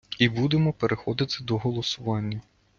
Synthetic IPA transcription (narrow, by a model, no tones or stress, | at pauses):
ibud̪emɔpeɾʔexɔd̪ɪt̪ɪd̪ɔɦɔlˠɔsʊʋɑnʲːɐ